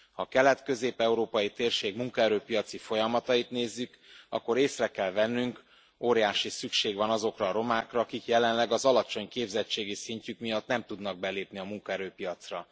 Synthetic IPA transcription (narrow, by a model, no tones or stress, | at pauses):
hɒkɛlɛt̪kø̞zeːpɛuɾoːpɒjit̪eːrʃeːɡmuŋkɒɛɾøːpijɒt̪sifo̞jɒmɒt̪ɒjit̪neːzːyk | ɒ̰kːo̞ɾeːsrɛkɛlvɛnːyŋk | oːɾijaːʃisykʃeːɡvɒnɒzo̞krɒːɾo̞maːkrɒːkikjɛlɛnlɛɡɒzɒlɒt͡ʃo̞ɲkeːbzɛt͡ʃːeːɡisiɲcykmijɒt̪nɛmt̪ud̪nɒɡ̚bɛleːpniɒmuŋkɒɛɾøːpijɒt̪srɒ